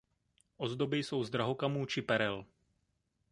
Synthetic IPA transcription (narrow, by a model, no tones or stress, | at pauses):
ʔozd̪obɪjso̞wzd̪ɾaɦokamuːt͡ʃɪpɛɾɛl